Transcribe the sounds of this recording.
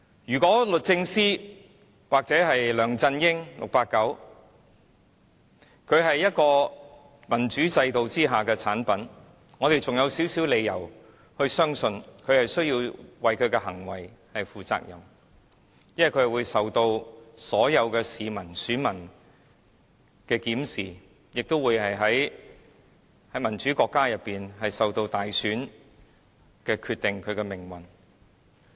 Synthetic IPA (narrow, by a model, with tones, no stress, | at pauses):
jyː˨˩kɔː˨˥lɵ˨t̚t͡sɪ˧ŋsiː˥ | waː˨k̚t͡sɛː˨˥ɦɐ˨jlœː˨˩ŋt͡sɐ˧njɪ˥ŋlʊ̰˨k̚paː˧kːɐ˨˥w | kʰɵ˨˧ɥɦɐ˨jːɐ˥t̚kɔː˧ | mɐ˨˩nt͡ʃyː˨˥t͡sɐ˧jt̪o˨wt͡siː˥ɦaː˨kɛː˧t͡sʰaː˨˥npɐ˨˥n | ŋɔː˨˧t̪e˨jt͡sʊ˨ŋjɐ˨˧wsiː˨˥wsiː˨˥wle˨˧jɐ̰˨˩w | hɵ˧ɥsœː˥ŋsɵ˧nkʰɵ˨˧ɥhɐ˨jsɥjiː˧wwɐ˨jkʰɵ˨˧ɥkɛː˧hɐ˨˩ŋwɐ̰˨jhɐ˨jfuː˨˩t͡sa̰ː˧k̚jɐ˨˩m | jɐ˥nɐ˨kʰɵ˧hɐ˨jwuː˨˧jsɐ˨wt̪o˧wsɔː˨˥jɐ˨˧wkɛː˧siː˨mɐ˨˩nsyː˨˥nmɐ˨˩n | kɛː˧kiː˨˥msiː˨˩ | jɪ˨k̚t̪o˥wuː˨˧jhɐ˨jɦɐ˨˥j | hɐ˨˥jmɐ˨˩nt͡ʃyː˨˥kɔː˧kːaː˥jɐ˨pːiː˨nɦɐ˨jsɐ˨wt̪o˧wt̪aː˨jsyː˨˥n | kɛː˧kʰyː˧t̪ɪ˨ŋkʰɵ˨˧ɥkɛː˧mɪ˨˩ŋwɐ˨˩n